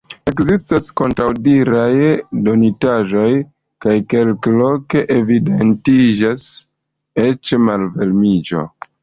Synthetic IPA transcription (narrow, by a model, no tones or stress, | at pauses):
e̞kzistasko̞ntɾawdiɾajdo̞nitaʒo̞j | kajke̞lklo̞ke̞ʔevide̞ntid͡ʒas | e̞t͡ʃmalve̞lmid͡ʒo̞̰